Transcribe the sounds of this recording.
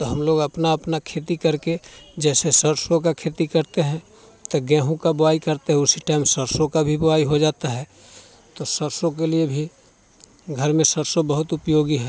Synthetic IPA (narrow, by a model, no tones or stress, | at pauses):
t̪oɦɐmloːɡɐpnaɐpnakʰeːt̪ikɐɾked͡ʒɛːsesəɾsõkakʰeːt̪ikɐɾt̪eɦɛ̃ | t̪ɐɡɛ̃ːɦũkabʊaːikɐɾt̪eɦɛ̃ʊsiʈaːɪmsəɾsõkabʱibʊaːiɦod͡ʒaːt̪aɦɛː | t̪osəɾsõk̬eliebʱi | ɡʱəɾmẽsəɾsobəɦʊt̪ʊpjoːɡiɦɛː